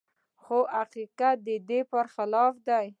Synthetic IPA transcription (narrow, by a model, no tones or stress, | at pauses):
xoʔaqiqat̪̚d̪əd̪epəɾxɪlɑfd̪aj